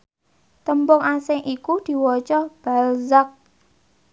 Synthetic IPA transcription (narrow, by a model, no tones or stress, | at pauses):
t̪əmbʊŋasɪŋʔikud̪̥i̤wɔt͡ʃɔb̥a̤lzak̚